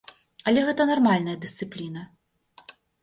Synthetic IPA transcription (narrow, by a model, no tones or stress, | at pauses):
ɐlʲɛɣɛt̪ɐnarmalʲnɐjɐd̪ɨst̪sɨplʲinɐ